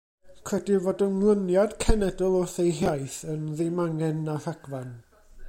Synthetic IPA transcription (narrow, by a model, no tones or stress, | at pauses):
kʰrɛdivoːdəmlˠənjad̥kʰɛnɛdɔlˠʊθejɦjajθənðɪmaŋɛnːahaɡ̥van